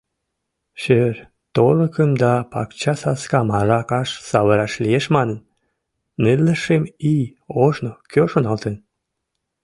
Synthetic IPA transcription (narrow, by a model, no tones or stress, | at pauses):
ɕør | t̪oləkəmd̪ɑpɑ̰kt͡ɕɑsɑskɑmɑʒɑkɑʃsɑβəɾɑʃlijeʃmɑnənː | elːəʃemij | oʒnokʰøʃonɑlt̪en